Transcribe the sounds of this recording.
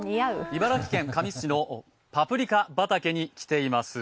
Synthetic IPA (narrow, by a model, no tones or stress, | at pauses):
iaɯibaɾakʲi̥kẽ̞ŋkamʲiɕino̞ | papɯ̟ɾʲikabat̪ake̞ɲ̟ikʲi̥t̪e̞imasɨ